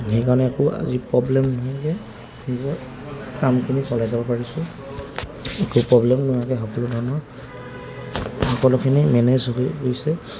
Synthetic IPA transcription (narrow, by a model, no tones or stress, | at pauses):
hejkaɹɔnɛakɔa̰zipɹɔblɛmnɔɦakɛ | zɔ | kamkʰinisɔlajzabɔpaɹisʊ | ekupɹɔblɛmnɔɦakɛxɔkɔlʊdʱɔɹnɔɹ | hɔkɔlʊkʰinimɛnezɦojsɛ